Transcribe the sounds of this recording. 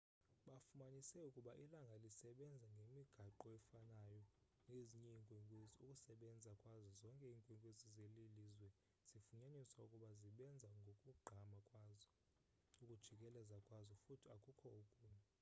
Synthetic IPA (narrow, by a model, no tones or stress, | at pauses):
ɓafumaɲisɛukʼuɓaʔilaŋɡʱalisɛɓɛnd͡zʱaŋɡʱemiɡ̥ʱaǃɔɛfanajɔ | ŋeziɲiŋkʼwiŋkʼwezukʼusɛɓɛnd͡zʱakʼwazɔzɔŋkʼɛiːŋkʼwiŋkʼwezizelilizwɛ | z̥ifuɲaɲisaukʼuɓaziɓɛnd͡zʱaŋɡʱokʼuɡ͡ǃʱamakʼwaːzɔ | ukʼud̥ʒ̥ʱikʼɛlɛzakʼwazɔfutʰiakʼukʰɔukʼuːma